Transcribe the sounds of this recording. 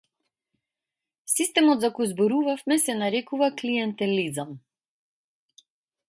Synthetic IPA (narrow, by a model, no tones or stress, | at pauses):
sist̪ɛmɔd̪zakɔjzbɔɾuvafmɛsɛnaɾɛkuvaklijɛnt̪ɛlizam